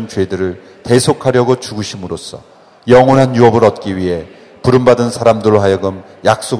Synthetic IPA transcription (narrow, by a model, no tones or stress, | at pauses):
nt͡ɕwe̞dɯɾɯɭ | te̞sʰokʰaɾjʌɡot͡ɕuɡɯɕʰimɯɾos͈ʰʌ̰ | jʌŋonɦanjuʌbɯɾʌt̚k͈iɥiɦe̞ | puɾɯmbadɯnsʰaɾamdɯɾɭoɦajʌɡɯm | jak̚s͈o